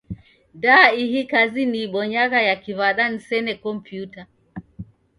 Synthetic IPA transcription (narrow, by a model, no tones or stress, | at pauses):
ndaiɦikaziniɓɔɲaɣajakivaɗanisɛnɛkɔmpjuta